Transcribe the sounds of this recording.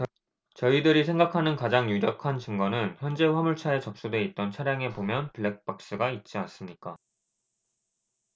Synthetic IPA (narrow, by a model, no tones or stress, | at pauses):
t͡ɕʌidɯɾisʰe̞ŋɡakʰanɯnkad͡ʑaŋjuɾjʌkʰant͡ɕɯŋɡʌnɯnçjʌnd͡ʑe̞ɸwamuɭt͡ɕʰae̞t͡ɕʌp̚s͈udwe̞it̚t͈ʌnt͡ɕʰaɾjaŋe̞pomjʌnpɯɭːek̚p͈ak̚s͈ɯɡait̚t͡ɕ͈ians͈ɯmɲik͈a